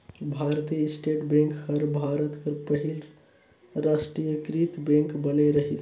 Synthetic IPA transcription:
bʱaɾt̪ijəisʈeʈbẽŋkhəɾbʱaɾət̪kəɾpəɦil | ɾasʈɾijəkɾit̪bẽŋkbəneɾəɦit͡ʃʰ

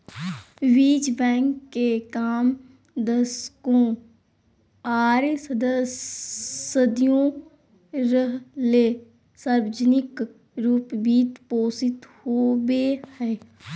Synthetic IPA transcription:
ʋiːd͡ʒbɛ̃ːŋkːekaːm | d̪əskõ | aːɾsəd̪əs | əd̪ijõ | ɾəɦleː | saɾʋəd͡ʒənɪk | ɾuːpbiːt̪poːsɪt̪hoːwehɛː

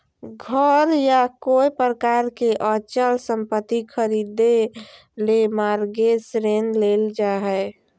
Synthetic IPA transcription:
ɡʱəɾjakoipɾəkaːɾkeʔət͡ʃəlsə̃mpət̪ːikʰəɾiːd̪e | lemaːɾɡesɾenleːld͡ʒaɦɛe

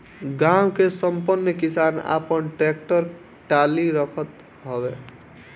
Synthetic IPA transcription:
ɡawkesəmpənːəkisana̰pənʈɾek̚ʈəɾ | ʈaliɾəkʰət̪ | ɦɔbe

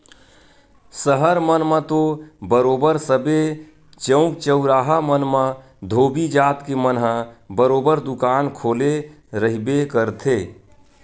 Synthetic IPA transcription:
səɦəɾmənmə̃t̪obəɾoːbəɾsəbe | t͡ʃə̃ʊ̃kt͡ʃəʊɾaːɦamənmã | d̪ʱoːbid͡ʒaːt̪kemənɦə̃bəɾoːbəɾd̪ʊkaːnkʰoːle | ɾəɦibekəɾt̪ʰeː

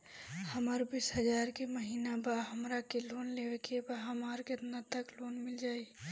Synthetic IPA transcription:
həməɾbiːsɦəd͡ʒaːɾkeməɦiːnabaɦəmɾakeloːnleːwekebaɦəmaːɾket̪nat̪əkloːnmɪld͡ʒaːi

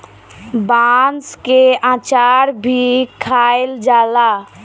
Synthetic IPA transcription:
banskeãːt͡ʃaːɾbʱikʰaːeld͡ʒaːla

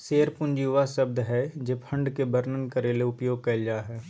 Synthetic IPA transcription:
seːɾpʊnd͡ʒiʋasɐb̚d̪ɦɛd͡ʒeːpʰɐ̃ɳɖkebəɾnənkəɾeːleʊpjoːɡ̚kɐld͡ʒaːɦɛː

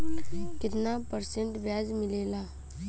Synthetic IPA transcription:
kɪt̪napəɾsẽɳʈʋjaːd͡ʒmɪleːlaː

